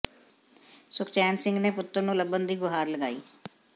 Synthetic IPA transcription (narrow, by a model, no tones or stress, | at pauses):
sʊkʰt͡ʃɛːnsɪ̃ŋɡneːpʊt̪ːəɾnũːləbənd̪iːɡʊɦaːɾləɡa̰ːiː